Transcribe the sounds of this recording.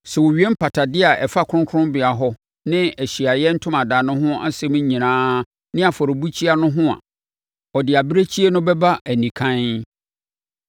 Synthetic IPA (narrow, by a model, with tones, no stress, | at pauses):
sɛ˨wo˨ɥi˦e˦m̩˦pʰa˨tʰa˨dɪ˦a˨ʔɛ˨fa˦kʰʊ˦ʊ̃˦ŋ˦kʰʊ̃˦mbɪ˨a˨ɦɔ˦ | nɪ̃˦æ˨ɕi˨a˨jɛ˦n̩˦tʰʊ̃˦mã˨daː˨nʊ̃˦ɦʊ̃˦a̰˦sɛ̃˦m̃˦ɲĩ˨nãː˦ | nɪ̃˦a˨fɔ˨ɾɪ˨bu˦t͡ɕʰi˦a˦nʊ̃˦ɦʊ̃˦a̰˨ | ɔ˨dɪ˨a˨bɾe˦t͡ɕʰi˦e˦nʊ̃˦bɛ˦ba˦ʔæ˨nĩ˨kʰã˦n